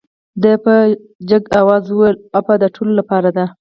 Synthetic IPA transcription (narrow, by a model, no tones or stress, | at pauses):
d̪əpə | d͡ʒaɡawɑzwəwelapad̪əʈʰololapɑɾad̪a